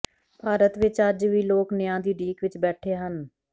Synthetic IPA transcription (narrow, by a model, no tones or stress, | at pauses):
bʱaːɾət̪ʋɪt͡ʃəd͡ʒʋiːloːknɪjãːd̪iːɖiːkʋɪt͡ʃbɛːʈʰeːɦən